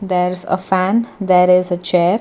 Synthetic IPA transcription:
d̪ɛɾzə̰fæ̃nd̪ɛɾɪzət͡ʃɛːɾ

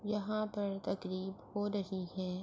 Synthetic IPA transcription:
jɐɦãpɐɾt̪ɐkɾiːbhoːɾɐɦiɦɛ̃ː

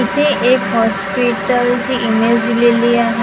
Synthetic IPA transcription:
it̪ʰeekɦɔspiʈəlt͡ɕiʔimed͡ʑd̪ileliːaɦ

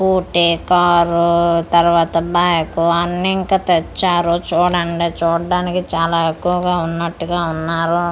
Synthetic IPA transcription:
kuːʈikaːɾut̪ɐɾʋaːt̪ɐbaːjɐkuɐnːiiŋkaːt̪et͡ʃːaːɾot͡ʃuːɽɐɳɖet͡ʃuːɽɐɖaːnikit͡ʃaːlaːekːuʋɐɡaːunːɐʈːuɡaːunːaːɾu

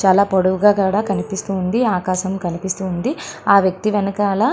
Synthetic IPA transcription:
t͡ʃaːlaːpoɽuʋuɡaːkaːɽaːkɐnipist̪uːnd̪iaːkaːʃɐmkɐnipist̪uːnd̪iaːʋjɐk̚t̪iʋɐnɐkaːlɐ

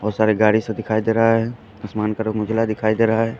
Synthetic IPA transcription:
ɔːɾsaːɾeɡaːɽisẽd̪ɪkʰaːid̪eːɾɐɦaɦɛ | ɐsmaːnkɐɾəkmʊd͡ʒʱlad̪ɪkʰaːid̪eːɾɐɦaɦɛː

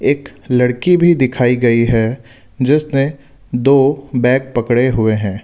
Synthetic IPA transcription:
eːklɐɽkibʱid̪ɪkʰaːiɡɐiɦɛ | d͡ʒɪsne | d̪oːbɛ̃ːk̚pɐkɽeɦʊeɦɛ̃ː

